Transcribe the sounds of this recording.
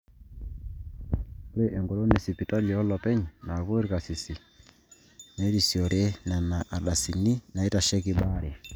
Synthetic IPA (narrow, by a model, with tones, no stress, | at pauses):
ɾɛ˦ʔɛ˨ŋɡɔ˨lɔ˦ne˨si˨pi˨ta˦lɔ˦lɔ˨pɛ˦ɲi˨na˨βo˦ɾi˦ka˨si˨si˨ | ne˨˦ɾi˨si˨ɔ˨ɾɛ˦na˨na˨ʔa˨ɗa˨si˨ni˦na˨i˦ta˨ʃɛ˦ki˦ɓa˦ɾɛ˨